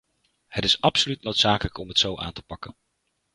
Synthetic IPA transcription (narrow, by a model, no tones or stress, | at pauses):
hətɪsɑpsolytnowtsaːkələkɔmɦətsowʔa̰ːntə̥pɑkən